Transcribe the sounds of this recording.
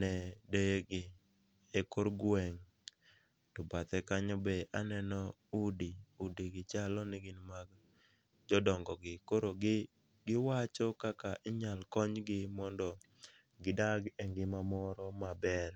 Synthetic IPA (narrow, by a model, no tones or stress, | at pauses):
nɛdeɡɪ | ekoɾɡwɛŋ | tɔbat̪ɛkaɲɔbeʔanɛnɔudiudiɡɪt͡ʃalɔnɪɡɪnmaɡ | d͡ʒɔdɔŋɡɔɡɪkoɾoɡɪ | ɡɪwat͡ʃɔkakaʔɪɲalkɔɲɡɪmɔndɔ | ɡɪdaɡeŋɡɪmamɔɾɔmabɛr